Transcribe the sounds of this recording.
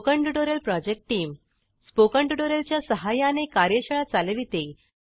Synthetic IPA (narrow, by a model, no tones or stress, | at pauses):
kəɳʈuʈoɾjəlpɾɔd͡ʑek̚ʈːiːm | spokə̃ɳʈuʈoɾəlt͡ɕjasəɦajãnekaɾjəɕəɭat͡saləʋit̪e